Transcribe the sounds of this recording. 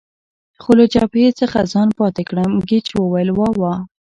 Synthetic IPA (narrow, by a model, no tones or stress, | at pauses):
xoləd͡ʒɑpet͡səxazɑnpɑt̪ekɽəmɡɪt͡ʃwəwajəlwɑwɑ